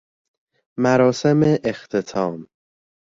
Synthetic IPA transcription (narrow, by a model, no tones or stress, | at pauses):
mæɾɒːsemeʔext̪ʰet̪ʰɒːm